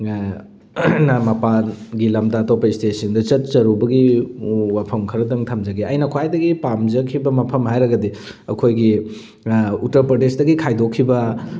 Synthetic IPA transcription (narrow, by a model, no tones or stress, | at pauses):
nɐmɐpaɡilɐmdaːtowpɐistesɐndɐt͡ʃɐt̚t͡ʃɐɾubɐɡiwapʰɐmkʰɐɾɐdɐŋtʰɐmd͡ʒɐɡiɐjnɐkʰwajdɐɡipamd͡ʒɐkʰibɐmɐpʰɐmhajɾɐɡɐdi | ɐkʰojɡi | utɐɾpɾodesdɐɡikʰajdokʰːibɐ